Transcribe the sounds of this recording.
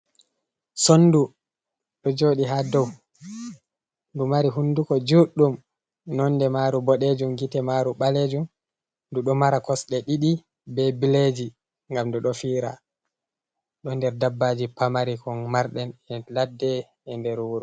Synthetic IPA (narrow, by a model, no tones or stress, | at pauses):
sonːdu | ɗɔd͡ʒoːɗiɦadɔw | ndumaɾiɦunːdukɔd͡ʒuɗːum | nɔnːdɛmaɾubɔɗed͡ʒumɡitɛmaɾuɓaled͡ʒum | duɗɔmaɾakɔsɗɛɗiɗi | bɛbiled͡ʒi | ŋɡamduɗɔfiːɾa̰ | ɗɔndɛɾdabːaːd͡ʒipamaɾikɔnmaɾɗɛnɛladːɛ | ɛndɛɾuɾɔ